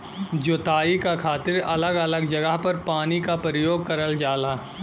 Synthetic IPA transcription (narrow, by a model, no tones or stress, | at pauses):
d͡ʒoːt̪aːikakʰaːt̪ɪɾɐləɡɐləɡd͡ʒɐɡəɦpɐɾpaːnikapəɾɪjoːɡ̚kɐɾəld͡ʒaːlaː